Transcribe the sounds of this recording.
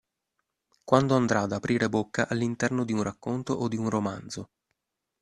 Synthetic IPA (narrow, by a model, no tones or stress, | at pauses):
kwand̪oand̪ɾaːd̪apɾʔiːɾebokːaʔalːint̪ɛrnod̪iunrakːont̪oʔod̪ːiunromand̪zo